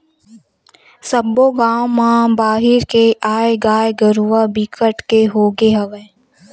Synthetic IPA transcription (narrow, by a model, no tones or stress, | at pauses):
səbːoɡãːomãbaːɦɪɾkeʔaːeɡaːeɡəɾuabikʰəʈkeɦoːɡeɦɐʋɛ